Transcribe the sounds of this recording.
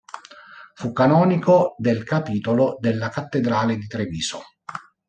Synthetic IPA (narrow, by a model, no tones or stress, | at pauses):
fukːanɔːnikod̪elkapiːt̪olod̪elːakat̪ːed̪ɾaːled̪it̪ɾeviːso̰